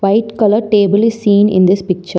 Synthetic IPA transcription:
ʋaɪʈkɐləɾʈeːbəlɪssĩːnɪ̰̃nd̪ɪspɪk̚t͡ʃəɾ

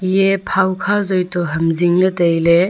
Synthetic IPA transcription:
jepʰawkʰazojtɔɦɐmziŋlɐtejle

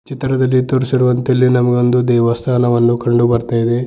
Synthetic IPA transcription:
t͡ʃit̪ɾɐd̪ɐlːit̪oɾɐsiɾuʋɐnt̪ilːinɐmɐɡond̪ud̪ɛːʋɐst̪ʰaːnɐʋɐnːukɐɳɖubɐɾt̪aːjd̪e

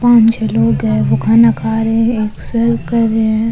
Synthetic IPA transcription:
pãːnt͡ʃloːɡɛʋoɡʱanakaːɾeẽeːksəɾkɐɾːeɛ̃

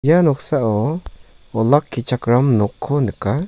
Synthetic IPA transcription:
janɔksaʔɔ | ɔlakʰːit͡ʃʰakɾamnɔkʰːɔnɯka

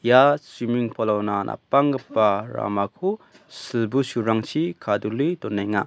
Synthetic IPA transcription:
jasimiŋpʰɔlawnanʔa̰paŋɡɐpːaɾa̰makʰu | silbusuɾaŋt͡ʃʰikʰadulidɔnːajŋa

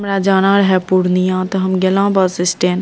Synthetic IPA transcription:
mɾaːd͡ʒaːnaːɾɦɛpuɾnijãːt̪oɦɐmɡɐlãːbaːsɪsʈẽːn

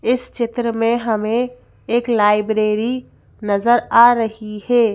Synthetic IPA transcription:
ɪst͡ʃɪt̪ɾəmẽɦɐmẽ | eːklaːɪbɾeːɾi | nɐzəɾaːɾɐɦihɛː

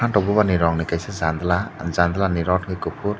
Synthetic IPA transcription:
anʈɔbubaniɾɔŋnikajsezand̪lazand̪laniɾɔʈʰɡɯkɯpʰuɾ

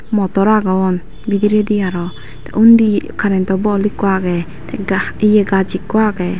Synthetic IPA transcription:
mɔt̪ɔɾaɡaɔn | bid̪iɾɛd̪iaɾɔ | t̪ɛ̰ʔund̪ikʰaɾɛnt̪ɔbɔlikwaɡɛ | t̪ɛɡaijɛɡad͡ʒikːuaɡɛ

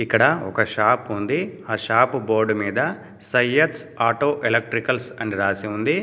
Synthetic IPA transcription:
ikːɐɽɐɔkɐʃaːpund̪iaːʃaːpboːɾɖmiːd̪ɐ | sɐjetsaːʈoːʔelɐk̚ʈɾikɐlsɐɳɖiɾaːsiund̪i

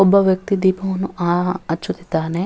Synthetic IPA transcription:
obːɐʋjɐk̚t̪id̪iːpʰɐmɐnːuʔaɐt͡ʃut̪i̥t̪aːne

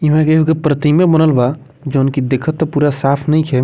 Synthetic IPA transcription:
imẽkeɦukepɾət̪imebənəlba | d͡ʒənkid̪ekʰət̪ːɔpuːɾasapʰnəĩkʰɛ

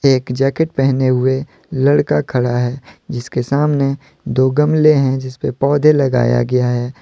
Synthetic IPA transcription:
eːkd͡ʒɛːkeʈ̚pɛɦneɦʊe | lɐɽkakʰɐɽaɦɛːd͡ʒɪskesaːmne | d̪oːɡəmleɦɛ̃d͡ʒɪspepɔːd̪ʱelɐɡa̰ːja̰ɡɐjaɦɛː

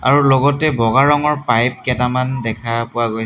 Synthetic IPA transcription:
a̰ɹulɔɡɔtɛbɔɡaɹɔŋɔɹpajp̚kɛtamandɛkʰapʊaɡoj

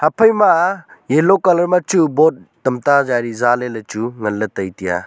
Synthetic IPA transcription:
hɐpʰɐjmajelokalɐɾmat͡ʃubot̚dɐmtazaɾizalelɐt͡ʃuŋɐlːɐtɐjtija̰

